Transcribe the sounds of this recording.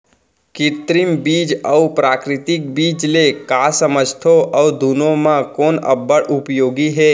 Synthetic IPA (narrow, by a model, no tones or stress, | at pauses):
kɪt̪ɾɪmbiːd͡ʒɔʊpɾaːkɾɪt̪ɪk̚biːd͡ʒlekaːsəməd͡ʒt̪ʰoʔɔːd̪uːnõmãkɔːnɐ̰bːəɽʔʊpjoːɡiɦɛː